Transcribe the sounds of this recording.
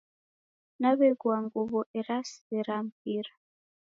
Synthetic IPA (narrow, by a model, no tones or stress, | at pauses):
naβɛɡwaŋɡuβɔʔɛɾasi̥ɛɾam̩p̚iɾa